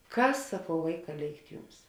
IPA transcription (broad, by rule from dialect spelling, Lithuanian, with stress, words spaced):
ˈkɐs sɐˈkɐʊ ˈʋɐɪˌkɑː ˈlʲeːɪkt ˈjʊms